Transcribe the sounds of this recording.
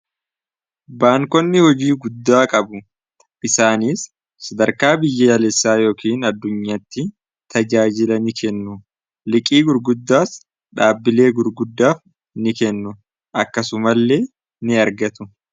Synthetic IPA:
baːŋkɔnːɪhɔd͡ʒiːɡʊd̪ːaːkʼɐbʊ | ʔɪsaːniːsː | ɐd̪ɐɾkaːbɪjːɐjɐlɛsːaːjo̞ːkiːnɐd̪ːʊɲːaːt̪ːɪ | t̪ʰɐd͡ʒaːd͡ʒɪlɐnɪkʰɛnːʊ | lɪkʼiːɡʊɾɡʊd̪ːaːs | ᶑaːbːɪle̞ːɡʊɾɡʊd̪ːaːf | nɪkɛnːʊ | ʔɐkːɐsʊmɐlːe̞ː | nɪɐɾɡɐt̪ʊ

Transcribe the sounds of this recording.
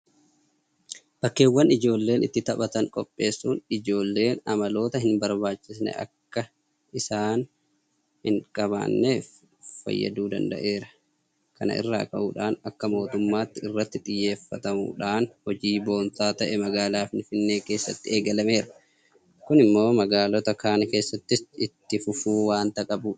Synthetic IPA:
b̥ɐkːe̞ːwːɐnɪd͡ʒo̞ːlːe̞ːnʔɪt̪ːɪt̪ɐpɐt̪ɐŋkʼɔpʼːe̞ːsːuːnɪd͡ʒo̞ːlːe̞ːnɐmɐlo̞ːt̪ɐhɪnbɐɾbaːt͡ʃːɪsnɛ̰ʔɐ̰kːɐ | ɪsaːn | hɪŋkʼɐβa̰ːnːe̞ːf | fɐ̰jːɐ̰d̪uːd̪ɐ̰nd̪ɐ̰ʔe̞ːɾɐ̥ | kɐnɐ̰ʔɪ̰rːa̰ːkʼɐ̰ʔuːᶑaːnɐkːɐmo̞ːt̪ʊmːaːt̪ːɪɪrːɐt̪ːɪt̪ʼɪjːe̞ːfːɐt̪ɐmṵːᶑaːnhɔd͡ʒiːbo̞ːnt̪aːt̪ɐʔɛmɐɡaːlaːfɪnfɪnːe̞ːke̞ːsːɐt̪ːɪeːɡɐlɐme̞ːɾɐ̥ | kʊnɪmːo̞ːmɐɡaːlɔt̪ɐkaːnɐke̞ːsːɐt̪ːɪsɪt̪ːɪfʊfuːwaːnt̪ɐkʼɐbuːᶑ

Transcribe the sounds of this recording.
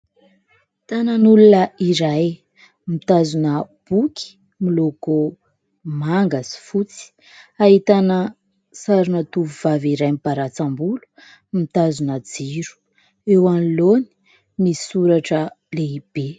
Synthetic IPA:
t̪anənulunəiɾaj | mit̪azunə | b̥ukʰi̥ | miloko | maŋɡasi̥fut͡si̥ | aɦit̪anə | saɾunət̪uvuvaviɾajmipaɾat͡sambulu̥ | mit̪azunəd͡ziɾu̥ | ewanloni̥ | nisuɾaʈ͡ʂə | leib̥e

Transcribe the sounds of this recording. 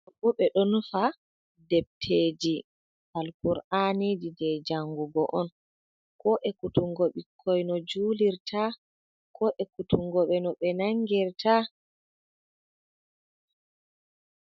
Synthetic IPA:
bɔɓɛɗɔnfa | dɛb̚tʰeːd͡ʒi | halkuɾaned͡ʒidɛd͡ʒaŋɡuɡɔʔɔn | kɔʔɛkutuŋɡoɓikʰːɔjnɔd͡ʒuːliɾtʰa | kʰɔʔɛkutuŋɡɔɓɛnɔɓɛnaŋɡɛɾta

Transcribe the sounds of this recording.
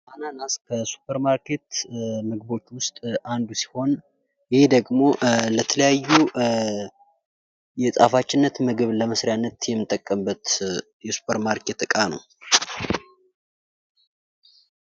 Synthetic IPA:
ʔananaskʰəsu̥pʰəɾmaɾkʰe̞t̪mɨɡbo̞t͡ʃːwʊst̪ʼand̪usi̥ho̞n | jɪhe̞d̪əɡmo̞lət̪ʰələjajːu | jɛsʼa̰fat͡ʃːɪnːət̪mɨɡɨβləməsɾijanːət̪jɛmːɨt̪ʼːəkʼːəmbət̪ | jɛsu̥pʰəɾmaɾkʰe̞t̪ːɨkʼanə̰w

